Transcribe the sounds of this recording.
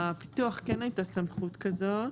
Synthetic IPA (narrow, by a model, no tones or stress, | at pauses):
api̥tuaχkenajtasamχutkazo